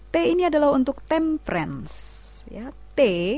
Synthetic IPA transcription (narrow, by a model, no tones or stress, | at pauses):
t̪einiadalaɦunt̪ʊk̚t̪ɛmpɾɛ̰ns | ja | t̪e